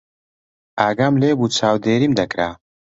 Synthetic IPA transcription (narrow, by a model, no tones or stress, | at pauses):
aːɡaːmleːbuːt͡ʃʰaːwd̪eːɾiːmd̪ɐkɾaː